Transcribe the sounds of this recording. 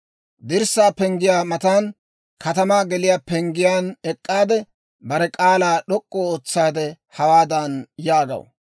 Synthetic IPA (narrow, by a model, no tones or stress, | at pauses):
d̪ɪɾsːaːpɛŋɡɪjaːmɐt̪aːn | kʰɐt̪ɐmaːɡɛlɪjaːpɛŋɡɪjaːnɛkʼːaːd̪ɛ | bɐɾɛkʼaːlaːɗɔkʼːoːoːt͡sːaːd̪ɛ | hɐwaːd̪ɐnjaːɡɐ̰w